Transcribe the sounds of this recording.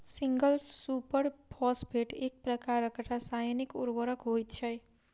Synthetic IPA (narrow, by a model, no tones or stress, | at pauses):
siŋɡʌlsupəɾpʰɔsbʱeʈek̚pɾʌkaɾʌkəʈasajnikuɾbʌɾʌkɦojt̪t͡ʃʰʌj